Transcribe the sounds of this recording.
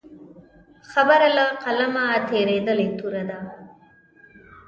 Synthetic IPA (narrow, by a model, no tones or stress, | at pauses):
xɐbɐɾɐlɐqɐlɐmaːt̪ʰeːɾeːd̪ɐlit̪ːuɾɐd̪a